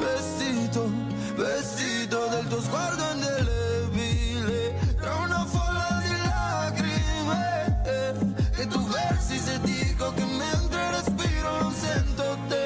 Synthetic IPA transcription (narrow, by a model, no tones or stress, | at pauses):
vest̪it̪o | vest̪it̪od̪elt̪ozɡwaɾd̪oɛnd̪elevile | kɛunafɔɾmad̪ila | ɡɾima | ket̪uvɛɾsised̪ikokɪmẽnt̪ɾerespiɾonõsent̪ot̪e